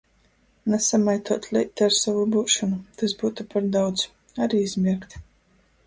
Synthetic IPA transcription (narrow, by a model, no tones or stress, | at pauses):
nɛsamajt̪uɔt̪lʲˠɛt̪ːaɾsavubuːʃɔnut̪asbuːt̪upaɾd̪awd̪z | aɾiːizmʲiɾkt̪